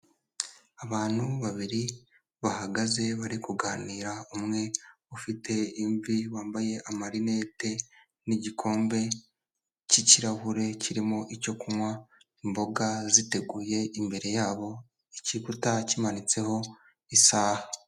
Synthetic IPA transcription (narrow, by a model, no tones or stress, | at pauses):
aβaːn̥huβaβiɾi | βahaɡaze̞βaɾikuɡaːniːɾaumŋe̞ | ufitʰe̞iɱviwaːmbaje̞ʔamaɾine̞ːte̞ | niɟikʰo̞ːmbe̞ | ciciɾaβuɾe̞ciɾimo̞ʔico̞kumwa | imbo̞ɡazite̞ɡuːje̞imbe̞ɾe̞jaːβo̞ | icikutacimanit͡se̞ho̞ | isaːha